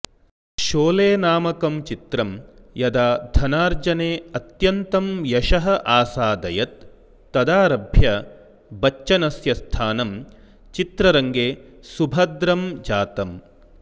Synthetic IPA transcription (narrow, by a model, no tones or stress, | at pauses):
ʃoːleːnaːmɐkɐmt͡ʃit̪ɾɐmjɐd̪aːd̪ʱɐnaːɾd͡ʒɐneːɐt̪jɐnt̪ɐmjɐʃɐɦɐʔaːsaːd̪ɐjɐt̪̚ː | ɐd̪aːɾɐbʱjɐ | bɐt͡ʃʃɐnɐsjɐst̪ʰaːnɐm | t͡ʃit̪ɾɐɾɐŋɡeː | subʱɐd̪ɾɐmd͡ʒaːt̪ɐm